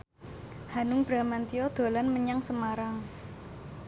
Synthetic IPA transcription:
hanʊŋb̥ɾa̤mant̪iɔd̪̥o̤lanməɲaŋsəmaɾaŋ

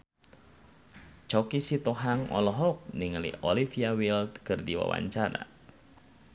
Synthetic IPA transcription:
t͡ʃɔkisit̪ɔɦaŋɔ̰lɔɦɔk̚niŋəlḭɔlifiawilt̪kɨrdiwa̰wa̰ɲt͡ʃaɾa̰

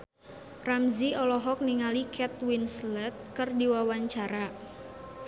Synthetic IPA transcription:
ramziɔlɔɦɔk̚niŋalikʰɛt̪̚winslɛt̪̚kɨrdiwawaɲt͡ʃaɾa

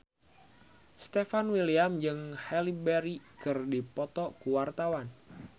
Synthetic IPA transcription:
st̪efanwiliamd͡ʒɨŋhɛlibɛɾikɨrdipɔt̪ɔkuwart̪awan

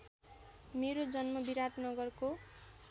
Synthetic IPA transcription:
meɾod͡zʌnmʌbiɾaʈnʌɡʌrko

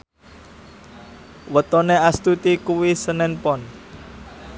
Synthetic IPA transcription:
wət̪oneast̪ut̪ikuwisənɛnpɔn

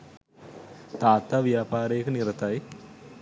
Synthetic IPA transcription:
t̪aːt̪aːʋijaːpaːɾəjekəniɾət̪aj

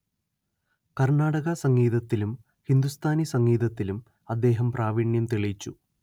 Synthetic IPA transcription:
kɐrɳaːɽɐɣɐsɐŋːiːðɐt̪ːilum | hind̪ust̪ʰaːnisɐŋːiːðɐt̪ːilum | ɐd̪ːe̞ːɦɐmprʔaːʋiɳjɐmt̪iɭit͡ɕːu

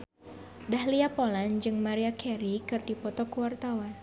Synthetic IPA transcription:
dahliapoland͡ʒɨŋmaɾiakʰɛɾikɨrdipɔt̪ɔkuwart̪awan

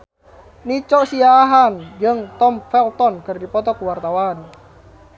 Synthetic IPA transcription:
nit͡ʃɔʔsiaːɦand͡ʒəŋt̪ɔmfɛlt̪ɔnkərdipɔt̪ɔkuwart̪awan

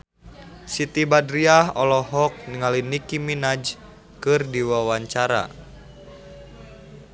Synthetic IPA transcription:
sit̪ibadɾiahɔlɔɦɔk̚niŋalinikiminad͡ʒ | kɨrdiwawaɲt͡ʃaɾa̰

